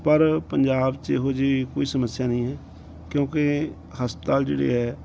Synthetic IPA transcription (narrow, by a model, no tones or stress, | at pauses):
pəɾpəɲd͡ʒaːbt͡ʃeːɦoːd͡ʒeːkoːiːsəməsːɪjaːnəĩːɦɛː | kjõːke | həspət̪aːld͡ʒḛːɽḛːɦɛː